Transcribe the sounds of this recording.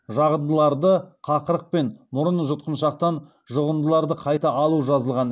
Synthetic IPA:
ʒɑʁənd̪əlˠɑɾd̪əqʰɑqəɾəq̚pe̞nmʊɾənʒʊt̪̚qənʃɑq̚t̪ɑn | ʒʊʁənd̪əlˠɑɾd̪əqʰɑjt̪ɑʔːlˠuʒɑzəlˠʁɑn

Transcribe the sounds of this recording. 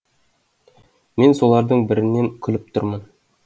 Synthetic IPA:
mensolˠɑɾd̪ɤɴbɘ̆ɾɘ̆nːeŋkʲʰɵ̆lɘp̚t̪ʰʊɾmɤn

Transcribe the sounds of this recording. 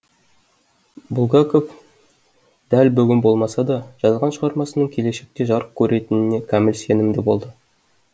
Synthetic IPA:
bulˠɡɑkof | d̪̥ælbʏɡʲɪnbo̞lˠmɑsɑd̪ɑʒ̥ɑzʁɑnʃəʁɑɾmɑsənəɴkʲʰe̞le̞ʃek̚t̪e̞ʒɑɾəq̚kʲʰɵɾe̞t̪ɪnɪne̞kʲʰæmɪlse̞nɪmd̪e̞bo̞lˠd̪ə

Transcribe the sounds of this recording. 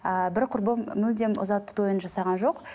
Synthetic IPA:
əbɪɾqʰʊɾbəmːʏld̪emʔʊ̰zɑt̪ʰːʊ̥t̪ojənʒɑsɑʁɑnʒo̞q

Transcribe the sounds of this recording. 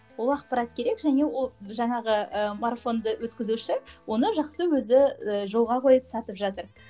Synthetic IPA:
wo̞lˠɑqpɑɾɑt̪̚kʲʰe̞ɾe̞kʒæne̞woʒɑɴɑʁəəmarfo̞nd̪əwɵt̪kʲɪzuʃɪwo̞nəʒɑqsəwɵzɪəʒo̞lˠʁɑqʰo̞jəpsɑt̪əpʒɑt̪əɾ

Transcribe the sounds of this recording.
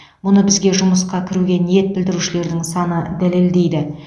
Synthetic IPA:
mʊnəbɪzɡʲe̞ʒʊməsqɑkʲʰɪɾuɡʲe̞nije̞t̪̚bɪld̪ɪɾuʃɪle̞ɾd̪ɪŋsɑnəd̪æle̞ld̪e̞jd̪ɪ

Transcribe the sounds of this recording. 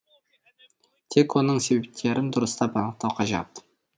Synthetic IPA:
t̪ʰe̞kwo̞nəɴse̞bep̚t̪ʰe̞ɾʔɪnd̪ʊɾəst̪ɑpɑnəq̚t̪ɑwqʰɑʒɑ̰p̪

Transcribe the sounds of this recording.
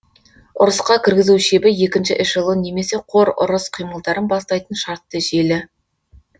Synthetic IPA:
ʊɾəsqɑkʲʰɪɾɡʲɪzuwʃebɪje̞kʲɪnʃɪʔɪʃʒəlˠəne̞me̞se̞qʰo̞ɾʊ̰ɾəsqʰijməlˠd̪ɑɾənbɑst̪ɑjt̪ənʃɑɾt̪ːəʒe̞lɪ

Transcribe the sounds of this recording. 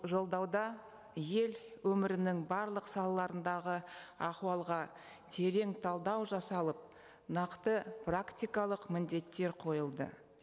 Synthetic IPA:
ʒo̞lˠd̪ɑwd̪ɑ | je̞lwɵmɪɾɪnɪŋbɑɾlˠəqsɑlˠɑlˠɑɾənd̪ɑʁəɑχwɑlˠʁɑ | t̪ʰe̞ɾe̞ŋt̪ʰɑlˠd̪ɑwʒɑsɑlˠəp̚ | nɑqt̪əprakt̪ʲijkɑlˠəqmɪnd̪e̞t̪ːe̞ɾqʰo̞jəlˠd̪ə̰

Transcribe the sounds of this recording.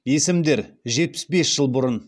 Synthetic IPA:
je̞sɪmd̪e̞ɾʒe̞t̪̚pɪ̥sbe̞sʒ̥əlˠbʊɾən

